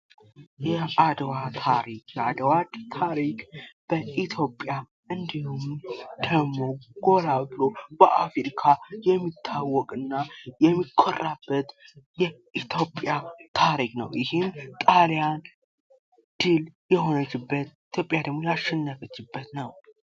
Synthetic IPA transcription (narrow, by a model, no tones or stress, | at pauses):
jɛʔad̪wat̪ʰaɾikjɛad̪wad̪t̪ʰaɾikʼb̥əʔit̪ʰjo̞pʼja | ʔɨnd̪ihumd̪̥əɡmo̞ɡ̥o̞labɨlob̥əʔafɾikʰajɛmːit̪ʰːawːɔkʼɨnːajɛmːikʰːorabːət̪ | jɛ | ʔit̪ʰjo̞pʼjat̪ʰaɾikʼnə̰wjɪhɪmt̪ʼaljan | d̪̥ɨljɛho̞nət͡ʃːɪbːət̪it̪ʰjo̞pʼjad̪əɡmo̞jaʃːɛnːəfət͡ʃːɪbːət̪nəw